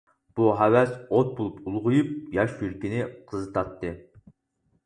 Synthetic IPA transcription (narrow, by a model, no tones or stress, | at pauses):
b̥uɦæwɛsot̪̚bolˠupulˠʁʊjup̚jɑʃjyɾkʲinɪqʰəzɨt̪ʰɑt̪ːɨ